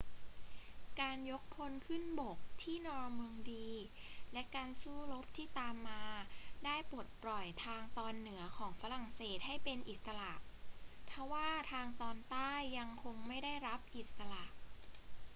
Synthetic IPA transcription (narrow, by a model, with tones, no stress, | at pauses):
kaː˧njo˦˥k̚pʰo˧˥nkʰɯ˥˩nbo˨˩k̚t̪ʰiː˥˩nɔː˧mɯ˧əŋdiː˧lɛ˦˥kaː˧nsuː˥˩lo˦˥p̚t̪ʰiː˥˩t̪aː˧mːaː˧daː˥˩jpo˨˩t̪̚pɾɔ˨˩jt̪ʰaː˧ŋt̪ɔː˧nːɯ˨˩˦ɐkʰɔː˩˦ŋfa˦˥ɾa˨˩ŋseː˨˩t̪̚ha˥˩jpe˧nʔi˨˩t̪̚sa˧la˨˩ʔp̪ʰa˦˥waː˥˩t̪ʰaː˧ŋt̪ɔː˧nt̪aː˥˩jːa˧ŋkʰo˧ŋma˥˩jda˥˩jɾa˦˥p̚ʔi˨˩t̪̚sa˧la˨˩ʔ